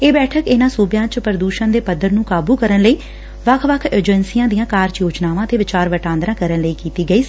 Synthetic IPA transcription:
eːbɛːʈʰəkɪnãːsuːbjãːt͡ʃpəɾəd̪uːʃənd̪eːpəd̪ːəɾnũːkaːbuːkəɾənləiː | ʋəkʰʋəkʰəɾd͡ʒənsijãːd̪ijãːkaːɾt͡ʃjoːt͡ʃnaːʋãːət̪eːʋɪt͡ʃaːɾʋəʈãːnd̪ɾãːkəɾənləiːkiːt̪iːɡəiː

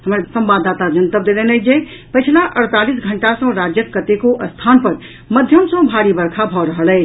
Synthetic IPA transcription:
həmɾasəmbad̪ːat̪ad͡ʒənt̪əp̚d̪elenəd͡ʒepət͡ʃʰlaʔəɽt̪alisɡʱəɳʈasə̃ɾad͡ʒjəkːət̪ekoʔəst̪ʰanpəɾ | məd̪ʱjəmsə̃bʱaɾibəɾkʰabʱɔɾəɦəlɛːt͡ʃʰ

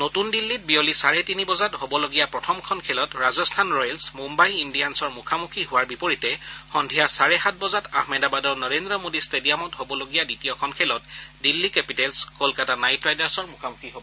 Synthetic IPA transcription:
notundilːit̚biolisaɹɛtinibɔzathobɔloɡijapɹɔtʰɔmkʰɔnkʰɛlɔtɹazɔstʰanɹɔjɛlsmumbajindiansɔɹmukʰamukʰiɦʊwaɹbipoɹitɛxɔndʱijasaɹɛɦat̚ʰbɔzatahmedabadɔɹnɔɹendɹɔmodistedijamɔtɦobɔloɡijaditijɔkʰɔnkʰɛlɔt̚dilːikɛpitɛlskolkatanajtɹajdaɹsɔɹmukʰamukʰiɦobɔ

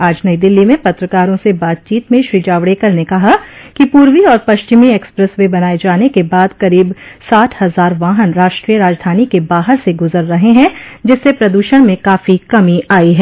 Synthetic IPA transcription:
aːd͡ʒnɐid̪ɪlːimẽpɐt̪ɾəkaːɾõsebaːt̪̚t͡ʃiːt̪mẽʃɾiːd͡ʒaːʋɽeːkɐɾnekɐɦakipuːɾʋiɔːɾpɐʃt͡ʃɪmieːkspɾɛswẽbɐnaːed͡ʒaːnekebaːd̪kɐɾiːbsaːʈ̪ʰhɐzaːɾʋaːɦənɾaːʃʈɾijəɾaːd͡ʒd̪ʱaːnikebaːɦəɾseɡʊzəɾːɐɦeɦɛ̃d͡ʒɪsːepɾɐd̪uːʃəɽ̃mẽkaːfikɐmiaːiɦɛː

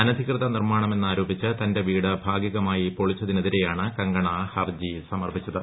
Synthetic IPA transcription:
ɐnɐd̪ʱikrɨðɐnirmaːɳɐme̞nːaːɾoːbit͡ɕːɨt̪ɐnde̞ʋiːɽɨbʱaːɡjiɣɐmaːjipoɭit͡ɕːɐðine̞ðiɾe̞jaːɳɨkɐŋɡɐɳɐhɐrd͡ʑisɐmɐrbit͡ɕːɐðɨ

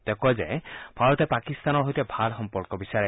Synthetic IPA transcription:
d̪̥ɛkɔzeb̥ʱaɹɔt̪ɛpakist̪anɔɦojt̪ɛbʱalxɔmpɔɹkɔbisaɹe

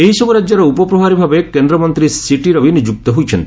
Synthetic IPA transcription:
eɦisɔbuɾad͡ʒːaɾeupɔpɾɔbʱaɾibʱabekend̪ɾɔmɔnt̪ɾisiʈiɾɔbʱinid͡ʒuk̚t̪ɔɦojt͡ʃʰent̪

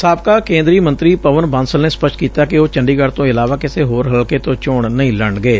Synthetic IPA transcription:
saːp̚kaːkẽːnd̪ɾiːmə̃nt̪ɾiːpəʋənbãːnsəlneːspəʃʈkiːt̪aːkɪoːt͡ʃəɳɖiːɡəɽt̪õːɪlaːʋaːkɪseːɦoːɾɦəlkeːt̪õːt͡ʃʊːɳnəĩːləɳɡeː

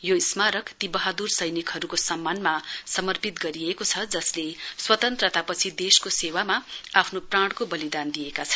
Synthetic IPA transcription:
joismaɾʌkt̪ibʌɦad̪ursʌjnikɦʌɾukosʌmːanmasʌmʌrpit̪ɡʌɾiekot͡sʰʌd͡zʌsleswʌt̪ʌnt̪rʌt̪apʌt͡sʰid̪eskosewamaapʰnopraɽ̃kobʌlid̪and̪iekat͡sʰʌ̥

